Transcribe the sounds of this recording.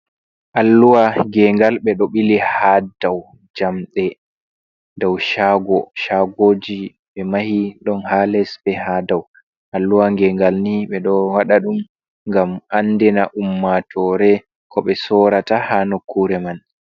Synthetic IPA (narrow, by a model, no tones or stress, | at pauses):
ʔalːuwaɡɛŋɡalɓɛɗɔɓilihadaw | d͡ʒamɗɛ | dɔwʃaɡɔʃaɡoːd͡ʒi | ɓɛmahiɗɔnhaːlɛsbɛhadaw | ʔalːuwaŋɡɛŋɡalniɓɛɗɔwaɗaɗum | ŋɡamʔanːdɛnaʔumːatʰɔɾɛ | kʰɔɓɛsɔɾatahanokːuɾɛman